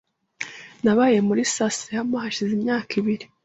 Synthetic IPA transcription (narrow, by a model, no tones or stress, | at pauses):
naβaːje̞muɾisasehamahaʃizimɲaːkiβiɾi